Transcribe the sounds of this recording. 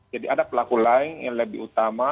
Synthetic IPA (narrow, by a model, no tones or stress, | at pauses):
d͡ʒadiʔadapəlakulaɪŋja̰ŋləbɪ̰hut̪ama